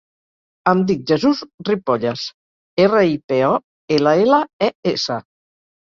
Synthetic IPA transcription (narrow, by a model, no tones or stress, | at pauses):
əmd̪ik̚ʒəzuzripɔʎas | erəipeɔ | elaelaɛesə̰